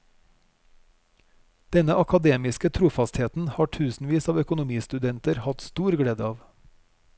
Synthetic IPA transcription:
d̪̥ɛnəʔɑkɑd̪eːmɪskət̪ʰɾuːfɑst̪heːt̪n̩hɑːʈʰʉːsn̩ʋiːsɑːʋœkʊnʊmiːst̪ʉd̪ɛnt̪əɾhɑt̪st̪uːɾɡɽeːd̪əɑːʋ

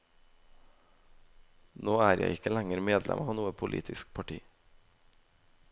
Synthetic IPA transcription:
noːæːɾjæ̰ɪɪkəlæŋəɾmeːd̪lʔɛ̰mʔɑːʋnuːəpʰʊlʔḭːt̪ʰɪsk̚pʰɑʈʰḭː

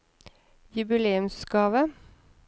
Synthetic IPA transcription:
jʉbɪleːʉmsɡɑːʋə

